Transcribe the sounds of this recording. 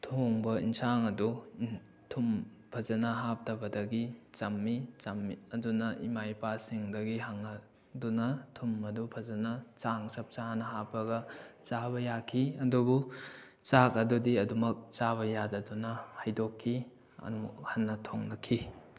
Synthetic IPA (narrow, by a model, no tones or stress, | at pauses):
tʰoŋbɐḭnsaŋɐdu | tʰum | pʰɐzɐnɐɦap̚tɐbɐdɐɡit͡ʃɐmːit͡ʃɐmiɐdunɐʔimajpasiŋdɐɡiɦaŋɐ | dunɐtʰumɐdupʰɐzɐnɐt͡ʃaŋsɐp̚t͡ʃanɐɦapɐɡɐt͡ʃabɐjakʰiɐdubu | t͡ʃakɐdudiɐdumɐk̚t͡ʃaβɐjadɐdunɐhajdokʰːi | ɐ̰hɐnːɐtʰoŋnɐkʰi